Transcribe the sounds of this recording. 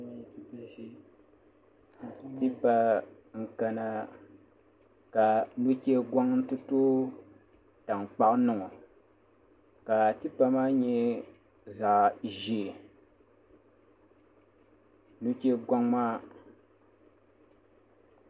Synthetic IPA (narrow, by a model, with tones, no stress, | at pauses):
ti˦pa˦ | ŋ̩˦ka˨na˨ | ka˨nu˦kɛ˦ɡa˦ŋn̩˦tɨ˦toː˦ | ta˨ŋk͡pa˦ʔnɨ˨ŋɔ˨ | ka˨ti˦pa˨maː˦ɲɛ˦ | za˨ʔʒi˦˨ | nu˦ke˦ɡa˦ŋmaː˦